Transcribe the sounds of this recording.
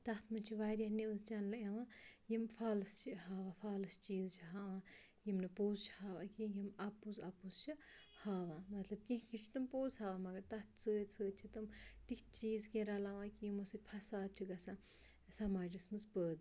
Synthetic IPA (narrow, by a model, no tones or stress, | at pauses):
t̪ɐht̪ʰmɨnʲt͡ʃʰiʋaːɾʲjahniɨzt͡ʃɐnlɐɐʋãjimfʰaːlɨst͡ʃʰiɦaːʋafʰaːlɨst͡ʃiːzt͡ʃʰiɦaːʋãː | jimnɨpoːzt͡ʃʰhaːʋakijimɐpːuzɐpuzt͡ʃʰi | haːʋaːmɐt̪lɐb̚kĩɦkʲit͡ʃʰi̥t̪ɨmpoːzɦaːʋamɐɡɐɾt̪ɐht̪̚ʰt͡sʰəːt͡sʰəːt͡ʃʰit̪ɨmt̪ik̪ʲt͡ʃiːzkẽɾaːlaʋãːkijimusɨt̪̚ʲpʰɐsaːd̪̚t͡ʃʰiɡɐsã | sɐmaːd͡ʒɨsmɨzpəːd̪